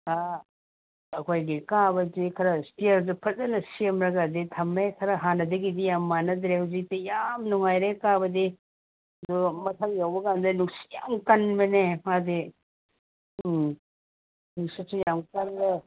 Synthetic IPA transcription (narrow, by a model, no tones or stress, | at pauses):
a | ɐkʰojɡikabɐd͡ʒikʰɐɾɐstiɐɾdɐpʰɐt̚zɐnɐsiemɾɐɡaditʰɐmekʰɐɾɐɦanɐd̪ɐɡidijamːanɐd̪ɾehawzik̚tijamnuŋajɾekabɐdi | dɔmɐt̪ʰɐŋjawbɐkand̪ɐnuksi̥ja̰mkɐnbɐnemadi | nuksisujamkɐnbɐ